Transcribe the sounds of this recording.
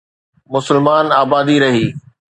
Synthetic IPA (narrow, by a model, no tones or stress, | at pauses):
mʊsɪlmaːnaːbaːd̪iɾɐɦiː